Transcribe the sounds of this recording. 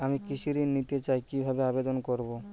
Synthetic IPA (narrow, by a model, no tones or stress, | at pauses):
amikisʰiɾinːit̪et͡ʃajkibʱabeabed̪ɔnkɔɾbo